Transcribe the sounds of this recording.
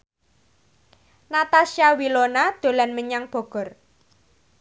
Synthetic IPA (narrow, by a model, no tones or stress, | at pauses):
nat̪asiawilonad̪̥o̤lanməɲaŋb̥ɔ̤ɡ̥ɔ̤r